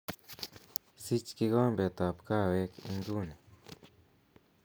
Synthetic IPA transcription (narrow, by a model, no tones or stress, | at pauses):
sit͡ʃkiɡambet̪apkawekiŋɡune